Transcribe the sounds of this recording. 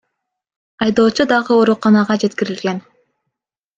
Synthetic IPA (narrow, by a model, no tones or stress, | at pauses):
ɑjd̪o̞ːt͡ʃud̪ɑʁɯo̞ɾuqɑnɑʁɑd͡ʒe̞t̪kiɾilɡe̞n